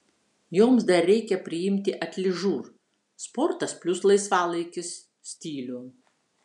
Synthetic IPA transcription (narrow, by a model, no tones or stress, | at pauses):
joːmsd̪ɐɾːʲɛɪkʲɛpʲɾʲɪjɪmʲt̪ʲɪʔɐt̪ʲlʲɪʒuːɾ | spɔɾt̪ɐspʲlʲʊslˠɐɪsʋɑːlˠɐɪkʲɪs | sʲt̪ʲiːlʲuː